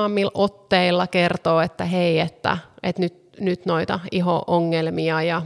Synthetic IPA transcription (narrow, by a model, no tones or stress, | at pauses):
ɑmːilʔot̪ːeilːɑkert̪oːet̪ːæɦeiet̪ːæ̰et̪nyt̪ | nyt̪noit̪ɑiɦo̰ʔoŋːelmiɑjɑ